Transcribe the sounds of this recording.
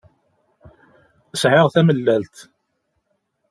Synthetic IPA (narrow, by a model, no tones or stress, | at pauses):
əsʕɪʁθæməlːælt̪